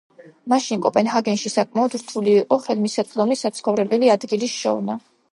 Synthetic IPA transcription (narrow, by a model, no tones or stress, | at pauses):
maʃinkʼɔpʼɛnɦaɡɛnʃisakʼmaɔd̪̥ɾt̪ʰuliːqʼɔχɛlmisɛt̪ʼd̪ɔmnisat̪sχɔvɾɛbɛliad̪ɡilisʃɔ̰vna